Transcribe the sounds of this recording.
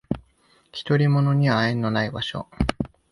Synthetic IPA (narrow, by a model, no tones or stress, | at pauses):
çʲi̥t̪o̞ɾʲimo̞no̞ɲ̟iβaẽnːo̞naibaɕo̞̰